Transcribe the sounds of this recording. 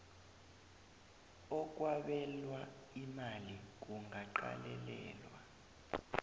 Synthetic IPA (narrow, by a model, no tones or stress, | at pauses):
ɔk̬ʼwaɓɛlwa | imalik̬uŋɡʱaǃa̰lɛlɛ̰ːlwa